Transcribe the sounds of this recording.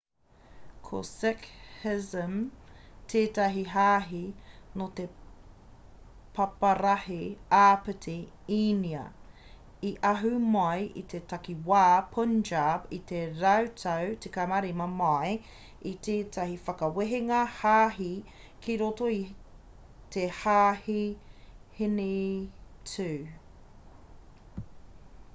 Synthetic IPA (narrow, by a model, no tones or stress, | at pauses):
kʰo̰sɪkhɪzəmtʰeːtɐɦiɦaːɦinot̪e | pʰɐpɐɾɐheaːpətʰi | iniɐ̰ | iʔɐɦʉmɐjʔḭt̪ʰetɐkiwaːpʰund͡ʒabit̪eɾɐwtʰɐwtekamaɾimɐmɐj | it̪eːtʰɐhifɐkɐweɦeŋɐhaːɦi | kʰiɾotoi | tehaːhi | hini | t͡sʰʉː